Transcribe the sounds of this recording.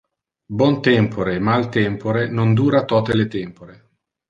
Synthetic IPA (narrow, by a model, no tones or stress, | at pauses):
bwɔnt̪ɛmpʰoɾemalt̪ɛmpoɾenond̪uːɾat̪ɔːt̪elet̪ɛmpoɾe